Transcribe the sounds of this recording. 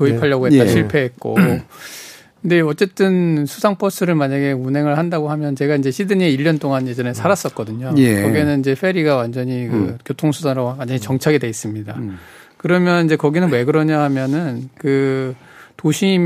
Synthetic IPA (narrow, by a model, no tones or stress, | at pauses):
oipʰaʎːʌɡoɦet͈ːaɕʰiɭpʰe̞ɦet̚k͈o̰ | kɯnde̞ʌt͡ɕ͈e̞t͈ɯnsʰusʰaŋpʰʌs͈ʰɯɾɯɭmaɲaɡeunɦe̞ŋɯɭhandaɡohamjʌnt͡ɕe̞ɡaind͡ʑe̞ɕʰidɯɲieiʎːʌnt͈oŋanje̞d͡ʑʌnesʰaɾas͈ʌt̚k͈ʌdɯɲokʌɡenɯnid͡ʑe̞fʰe̞ɾiɡawand͡ʑʌɲikɯ̰kjotʰoŋsʰusʰanɾowand͡ʑʌɲit͡ɕʌŋt͡ɕʰaɡede̞is͈ɯmɲida | kɯɾʌmjʌnind͡ʑe̞kʌɡinɯnwe̞ɡɯɾʌɲaɦamjʌnɯnkɯ | toɕʰiːm